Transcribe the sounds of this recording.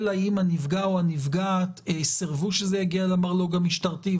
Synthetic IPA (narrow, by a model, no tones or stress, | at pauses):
lajimhanivɡaoanivɡatesiʁvuʃezejaɡialamaʁlo̞ɡamiʃtaʁti